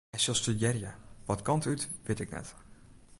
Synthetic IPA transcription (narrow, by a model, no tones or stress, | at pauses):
ɛsɪlˠstyjɛrjəʋɑtkɑntytʋɪtɪknɛ̰t